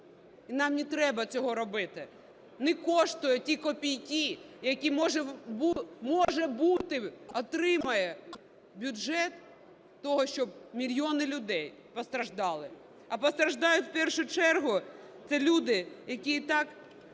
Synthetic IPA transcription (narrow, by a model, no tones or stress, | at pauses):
inɑmnʲit̪ɾɛbɐt͡sʲɔɦɔɾɔbɪt̪ɪ | nɪkɔʃt̪ʊjʊtʲikɔpʲijkʲijɐkʲimɔʒɛbumɔʒɛbut̪ɪɔt̪ɾɪmɐjɛ | bʲʊʒɛt̪ː | ɔɦɔʃt͡ʃɔb̚mʲilʲjɔnɪlʲʊd̪ɛj | pɔst̪ɾɐʒd̪ɑlˠɪ | ɐpɔst̪ɾɐʒd̪ɑjʊtʲwpɛrʃʊt͡ʃɛrɦʊt̪sɛlʲud̪ɪjɐkʲit̪ɑk